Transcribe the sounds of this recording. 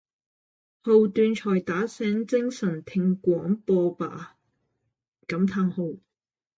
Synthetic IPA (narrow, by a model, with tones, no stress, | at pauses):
ho˧wt̪yː˧nt͡ʃʰɔː˨˩jt̪aː˨˥sɛː˨˥ŋt͡sɪ˥ŋsɐ˨˩ŋt̪ʰɪ˧ŋkʷɔː˨˥ŋpɔː˧pa̰ː˨˩ | kɐ˨˥mt̪ʰaː˧ŋho˧w